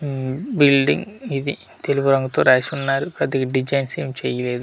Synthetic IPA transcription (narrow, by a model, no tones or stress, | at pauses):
bilɖḭŋɡid̪ḭ | t̪elubuɾɐŋɡut̪oːɾeːsunːaːɾupɾɐd̪ikiɖid͡ʒɐjnseːmt͡ʃɛːjɐleːd̪u